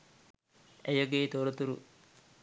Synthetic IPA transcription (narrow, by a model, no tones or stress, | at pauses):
ejɐɡeːt̪oɾot̪uɾṵ